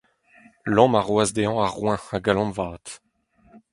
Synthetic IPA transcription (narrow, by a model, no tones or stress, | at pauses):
lɑ̃maʁwazd̪eɑ̃aʁwɛ̃aɡalɑ̃mvaːt̪